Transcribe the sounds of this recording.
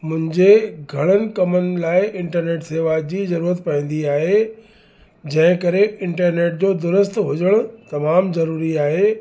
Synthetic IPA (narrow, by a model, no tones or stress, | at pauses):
mʊ̃ɦɪ̃ɲd͡ʑeɡʱɐɽ̃ənɪ̆kɐmənɪ̆laːɪɪ̃ɳʈəɾneːʈseːʋad͡ʑiːzɐɾuːɾət̪pɐĩːn̆d̪iaːɦe | d͡ʑɐ̃ɦɪ̃kɐɾeɪ̃ɳʈəɾneːʈ̚d͡ʑoːd̪ʊɾəst̪ɦʊd͡ʑəɽ̃ʊ̆t̪ɐmaːmzɐɾuːɾiaːɦeː